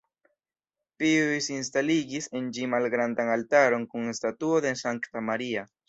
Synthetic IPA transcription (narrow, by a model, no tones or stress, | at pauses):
piujsins̬taliɡise̞nd͡ʒimalɡɾandaŋaltaɾo̞nkuŋestatuo̞desaŋktamaɾia